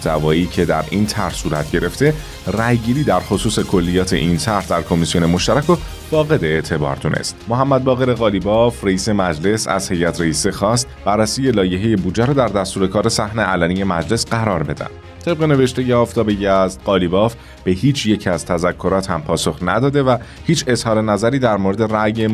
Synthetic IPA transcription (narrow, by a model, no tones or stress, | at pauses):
d̪ævɒːiːcʰe̞d̪æ̰ɾʔiːnt̪ʰæɾhsuːɾæ̰t̪ʰɟe̞ɾe̞ft̪e̞ | ræjɡiːɾiːd̪æɾχosuːse̞kʰo̞lːijɒːt̪ʰe̞̰ʔint̪ʰæɾhd̪æɾkʰo̞misijone̞moʃt̪æɾækʰo | b̥ɒːɣe̞d̪eeʔt̪ʰe̞bɒ̰ːɾd̪unʔḛst̪moɦæmːæd̪̚bɒːɣeɾe̞ɣɒːlibɒːfreiːse̞mæd͡ʒle̞sæ̰z̥he̞jæt̪ʰɾeiːsexɒːst̪b̥ærːæsiːje̞lɒːje̞ɦeje̞bud͡ʒːeɾɔːd̪æɾd̪æst̪uːɾe̞kʰɒːɾe̞sæhneʔælænije̞mæd͡ʒle̞sɢæɾɒːɾbe̞d̪æ̰n | t̪ʰe̞b̚ɣe̞ne̞ve̞ʃt̪e̞jeɒːft̪ʰɒːbejæzt̪ɢɒːliːbɒːf | b̥e̞hiːt͡ʃʰje̞cʰæz̥t̪ʰæzækʰːo̞ɾɒːt̪ʰhæmpʰɒːso̞xnæ̰d̪ɒːd̪e̞væ | hiːt͡ʃʰe̞zhɒːɾe̞næzæɾiːd̪æɾmoɾe̞d̪e̞ræje